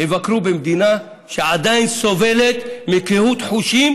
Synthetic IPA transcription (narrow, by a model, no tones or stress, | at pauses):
hevakɾubemd̪ina | ʃeʕad̪ajnso̞ve̞let̪mikehut̪ħuʃim